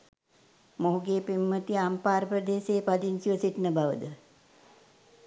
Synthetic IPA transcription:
moɦuɡeːpimːət̪iampaːɾəpɾəd̪eːseːpad̪insiʋəsiʈnəbaʋəd̪ə

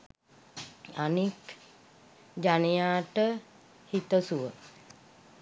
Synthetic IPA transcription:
anik | d͡ʒanejaːʈə | hit̪əsuʋə

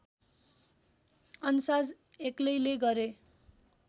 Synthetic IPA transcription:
ʌnusad͡z | eklʌjleɡʌɾe

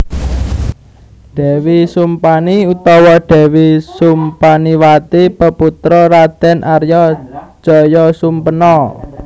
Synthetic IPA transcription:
ɖ̥ɛ̤wisumpaniut̪ɔwɔɖ̥ɛ̤wisumpaniwat̪ipəput̪ɾɔɾad̪̥ɛnʔarjɔ̥ʒ̥ɔ̤jɔsumpənɔ

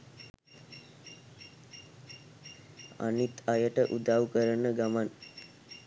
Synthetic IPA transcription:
a̰nit̪ajəʈəʔud̪awkəɾənəɡaman

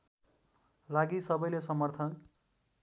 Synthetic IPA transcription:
laɡisʌbʌjlesʌmʌrt̪ʰʌn

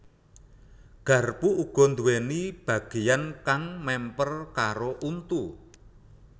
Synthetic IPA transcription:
ɡ̥ä̤rpuuɡ̥ɔ̤nd̪uwenib̥ä̤ɡ̥e̤jankaŋmɛmpərkaɾoʔunt̪u

